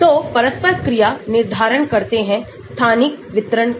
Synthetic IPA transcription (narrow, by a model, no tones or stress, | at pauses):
t̪oːpɐɾəspəɾkɾijanɪɾd̪ʱaːɾəɳkɐɾt̪eɦɛ̃ | st̪ʰaːnɪkʋɪt̪ɾəɳ